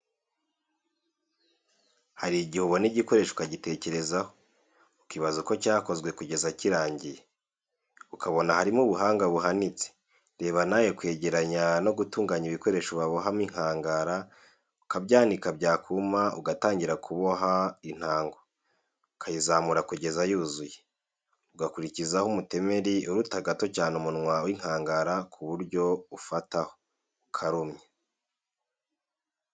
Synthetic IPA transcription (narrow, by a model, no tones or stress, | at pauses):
haɾiɟihuβo̞niɟiko̞ɾe̞ʃokaɟite̞ːce̞ɾe̞zaho̞ | ukiβazuko̞caːko̞zɡwe̞kuɟe̞zaciɾaːɲɟije | ukʰaβo̞nahaɾimuβuɦaːŋɡaβuɦanit͡se̥ | ɾe̞ːβanajekwe̞ːɟe̞ɾaɲano̞ɡutuːŋɡaɲiβiko̞ɾe̞ʃoβaβo̞ɦamiŋ̥haːŋɡaːɾa | ukabɟaːndikabɟaːkʰumaṵɡataːɲɟiɾakʰuβo̞ɦain̥haːŋɡo̞ | ukʰajizaːmuɾakuɟe̞zajuzuje | uɡakuɾicizahumute̞me̞ɾiuɾutaɡato̞caːnumunŋwawiŋ̥haːŋɡaɾakʰuβuɾɟo̞ufataho | ukʰaɾumɲe